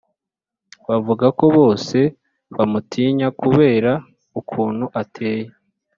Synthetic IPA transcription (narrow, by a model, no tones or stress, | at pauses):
βavuɡako̞βo̞ːse̞ | βamutʰiːɲakuβe̞ːɾa | ukʰuːn̥huʔatʰe̞ːje